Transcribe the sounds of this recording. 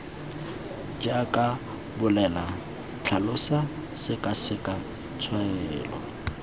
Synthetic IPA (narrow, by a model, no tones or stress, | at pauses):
d͡ʒakʼa | bʊlɛla | t͡ɬʰalʊsasɪkʼasɪkʼa | t͡sʰwaɛːlɔ̰